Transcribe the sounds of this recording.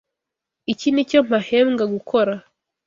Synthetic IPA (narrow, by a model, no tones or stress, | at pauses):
icinico̞m̥aheːmŋɡaɡukʰo̞ɾa